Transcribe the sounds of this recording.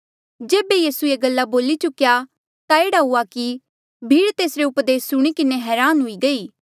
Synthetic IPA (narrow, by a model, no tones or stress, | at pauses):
d͡ʒeːbejiːsueɡəlːaboːlit͡ʃʊkja | t̪aeːɽaɦuaki | bʱiːɽt̪eːsɾeʊpd̪eːsːʊɽ̃ikɪneɦɛːɾaːnɦʊiɡɐiː